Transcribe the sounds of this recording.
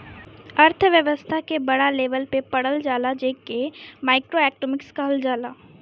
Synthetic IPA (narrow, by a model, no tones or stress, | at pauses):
ɐɾt̪ʰʋjəʋəst̪ʰakebɐɽaleːʋəlpepɐɽəld͡ʒaːlad͡ʒeːkemaːɪkɾoɛːkʈoːmɪkskaəld͡ʒaːlaː